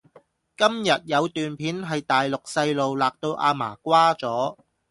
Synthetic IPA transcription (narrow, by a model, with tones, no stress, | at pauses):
kɐ˥mjɐ˨t̚jɐ˨˧wt̪yː˨npʰiː˨˥nɦɐ˨jt̪aː˨jlʊ˨k̚sɐ˧jlo˨wlaː˨k̚t̪o˧wʔa̰ː˧ma̰ː˨˩kʷwaː˥t͡sɔː˨˥